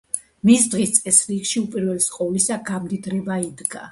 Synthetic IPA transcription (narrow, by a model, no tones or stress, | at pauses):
misd̪ʁist̪sʼɛsɾiɡʃiupʼiɾvɛlisqʼɔlisaɡamd̪id̪ɾɛbaid̪ɡa